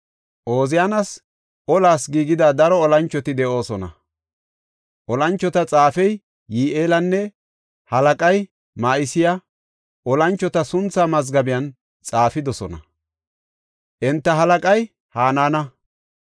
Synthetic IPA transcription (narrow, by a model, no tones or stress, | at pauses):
ʔo̞ːzɪjaːnɐs | ʔɔlaːsɡiːɡɪd̪aːd̪ɐɾɔːlɐnt͡ʃːɔt̪ɪd̪ɛʔo̞ːsɔnɐ̰ | ʔɔlɐnt͡ʃːɔt̪ɐt͡sʼaːfɛjː | iːʔe̞ːlɐnːɛ | hɐlɐkʼɐj | maːʔɪsɪja | ʔɔlɐnt͡ʃːɔt̪ɐsʊnt͡sːaːmɐzɡɐbɪjɐn | t͡sʼaːfɪd̪ɔsɔnɐ̰ | ʔɛnt̪ːɐɦɐlɐkʼɐj | haːnaːnɐ